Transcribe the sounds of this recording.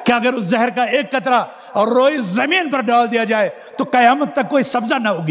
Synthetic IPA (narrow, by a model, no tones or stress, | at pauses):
kɪɐɡəɾʊszɛɦəɾkaeːkːɐt̪ɾa | ɾoːizɐmiːnpɐɾɖaːld̪ijad͡ʒaːe | t̪okɐjaːmət̪̚ːɐkːoːisɐbzanɐɦoːɡi